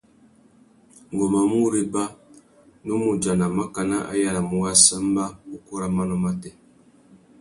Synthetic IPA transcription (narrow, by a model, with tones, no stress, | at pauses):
ŋ˨ɡɔ˨ma˨mu˦ɾe˦ba˦ | nu˦mu˨d͡ʒa˨na˨ma˦ka˨na˦ʔa̰˦ja˦˨ɾa˨mu˨˦ɣa˦sa˦mba˦u˦kɔ˦ɾa˦ma˦nɔ˦ma˦tɛ˦